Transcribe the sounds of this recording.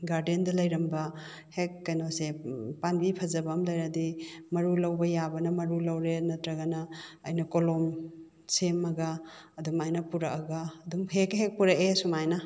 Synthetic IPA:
ɡaɾdendɐlɐjɾɐmbɐ | hekːɐjnosepanbipʰɐzɐbɐmlɐjɾɐdimɐɾulɐwbɐjabɐnɐmɐɾulɐwɾenɐtɾɐɡɐnɐːjnɐkolom | semɐɡɐ | ɐdumajnɐpuɾɐkɐɡɐːdumhekɦek̚puɾɐkesumajnɐ

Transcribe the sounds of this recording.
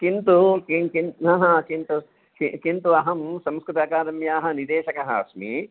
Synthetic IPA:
kint̪ukikinɦãːɦɐkint̪u | kḭkint̪uɐɦɐmsɐmskɾut̪aːkaːɾɐmjaːɦɐ̆nid̪eːʃɐkɐɦɐɐ̰smḭ

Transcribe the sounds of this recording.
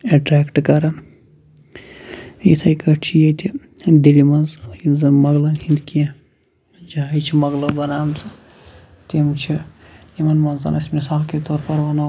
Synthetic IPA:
eʈɾɛːkʈkɐɾɐn | it̪ʰɐjkɐt͡ʃʰijet̪ʰi | d̪ilimɐnzimzɐnmɐɡlɐnhĩnd̪kijã | d͡ʒaɦɐjt͡ʃʰimɐɡlɐbɐnaːmzɐ | t̪imt͡ʃʰijimɐnmɐnzɐ̰nɐsmisaːlket̪ɔːɾpɐɾʋɐnɐ

